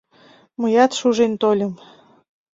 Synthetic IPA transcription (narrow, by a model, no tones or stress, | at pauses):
mɤjɑt̪ʃuʒent̪olʲɤ̆m